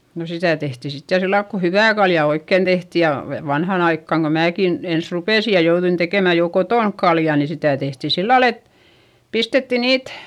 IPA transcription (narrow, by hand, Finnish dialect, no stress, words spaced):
no sitæˑ tehtiˑ sit jɑ silːɑilk ku hyʋæˑ kɑljɑ oikːeˑn tehti jɑ ʋe ʋɑnhɑn ɑikːɑŋ ko mæːkin ens rupeˑsi jɑ jouðuin tekeˑmæ jo kotoˑnk kɑljɑ ni sitæˑ tehti silːɑl et pistetːi niːt